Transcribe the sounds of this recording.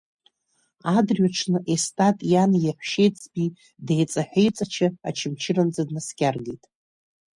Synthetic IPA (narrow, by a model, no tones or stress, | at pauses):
adrɥaʈ͡ʂʰnɨʔestʼatʼjanjeħʷʃe̞jt͡sʰʼbi | dejt͡sʼaħʷᶣejt͡sʼat͡ʃʰɪa̰t͡ʃʰɪmt͡ʃʰɪrand͡zadnaskʲarɡejtʼ